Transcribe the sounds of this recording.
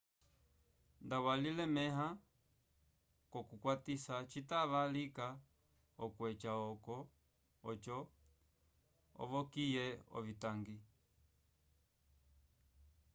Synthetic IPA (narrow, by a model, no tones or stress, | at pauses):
ndawalilɛmɛɦa | kɔkukwatisat͡ʃitaʋalika | ɔkwɛt͡ʃaɔkɔ | ɔt͡ʃɔ | ɔ̰ʋɔkijɛɔ̰vitaŋɡi